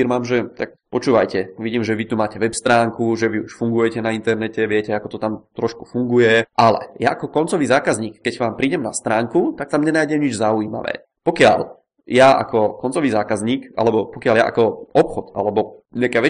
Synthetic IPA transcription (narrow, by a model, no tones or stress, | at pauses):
iɾmaːmʒɛt̪ak̚ | pɔt͡ʃuːʋajcɛʋiɟiːmʒɛʋit̪umaːcɛʋɛpst̪ɾaːŋkuʒɛʋiuʃfuŋɡujɛcɛnaint̪ɛɾnɛcɛʋɪɛcɛakɔt̪ɔt̪amt̪ɾɔʃku̥fuŋɡujɛʔalɛ̰ja̰ʔakɔkɔnt͡sɔʋiːzaːkazɲiːkːɛɟʋaːmpɾiːɟɛmnast̪ɾaːŋkut̪ak̚t̪amɲɛnaːjɟɛmɲid͡ʒzaujiːma̰ʋɛ̰ː | pɔkɪa̰ʎ | jaʔa̰kɔkɔnt͡sɔʋiːzaːkazɲiːkʔa̰lɛbɔpɔkɪjalja̰ʔa̰kɔʔɔpxɔd̪ʔa̰lɛbɔ | ɲɛakɛːʋɛ